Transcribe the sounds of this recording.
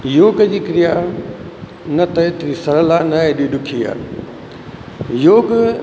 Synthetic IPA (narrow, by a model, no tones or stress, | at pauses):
joːkəd͡ʑiːkɾijaː | nɐt̪ɐet̪ɾisɐɾəlaːnɐeɗiːɗʊkʰiːa̰ː | joːk